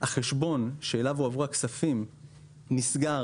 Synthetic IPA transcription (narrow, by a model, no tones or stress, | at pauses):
haχe̞ʃbo̞nʃe̞ːlavuavʁuaksafim | nisɡa